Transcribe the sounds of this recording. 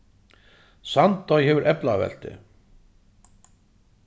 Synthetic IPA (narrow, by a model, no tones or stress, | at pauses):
sant̪ɔjhɛvʏɾʔɛplavɛ̰l̥t̪ɪ̰